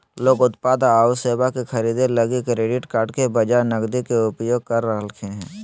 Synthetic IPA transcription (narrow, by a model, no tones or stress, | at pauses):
loːɡʊt̪paːd̪aaːʊseːbakixʰəɾiːd̪eləɡikɾeːɖɪʈkaːɾɖkebəd͡ʒanəɡd̪ikeʊpjoːɡ̚kəɾːəɦlkʰeɦɛ̃ː